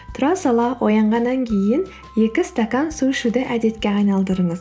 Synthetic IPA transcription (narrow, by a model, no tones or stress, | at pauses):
t̪ʰʊɾɑsɑlˠɑwʔo̞jɑɴʁɑnːɑŋkʲʰe̞jɪn | je̞kʲɪst̪akɑnsuʃɪd̪ɪʔæd̪e̞t̪kʲe̞ɑjnɑlˠd̪əɾəɴəz